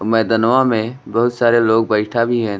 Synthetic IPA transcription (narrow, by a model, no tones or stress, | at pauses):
mɛːd̪ənʋamẽbɐɦʊt̪saːɾeloːɡ̚bəɪʈʰabʱiɦɛ̃ː